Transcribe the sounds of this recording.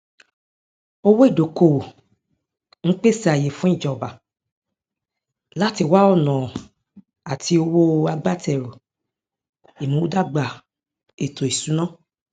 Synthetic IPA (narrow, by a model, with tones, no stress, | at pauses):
o˧wo˦i˦˨do˨˦ko˦˨wo˨ | ŋ̩˦k͡pe˦si˦a˨je˨fũ˦i˦˨d͡ʒɔ˨ba˨ | la˦ti˧wa˦ɔ˦˨nɔ̃˨ | a˨ti˧o˧wo˦a˧ɡ͡ba˦tɛ˨ɾo˨ | i˨mũ˨˦da˦ɡ͡ba˨ | e˨to˨i˨sũ˨˦nã˦˨